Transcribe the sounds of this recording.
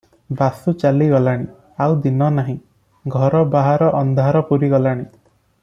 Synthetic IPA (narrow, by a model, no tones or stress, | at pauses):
basut͡ʃaliɡɔlaɽ̃i | awd̪inɔnaɦĩ | ɡʱɔɾɔbaɦaɾɔʔɔnd̪ʱaɾɔpuɾiɡɔlaɽ̃i